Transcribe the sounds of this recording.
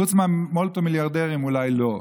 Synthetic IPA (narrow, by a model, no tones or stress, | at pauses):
ut͡smeamolt̪omiljaʁd̪eʁimulajlo̞